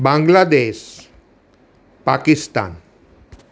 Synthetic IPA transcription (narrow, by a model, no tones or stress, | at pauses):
bãŋɡlad̪es | pakist̪a̰n